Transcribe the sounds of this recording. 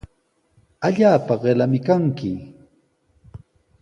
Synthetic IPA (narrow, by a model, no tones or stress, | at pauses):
aʎaːpaɢelamɪkaŋkɪ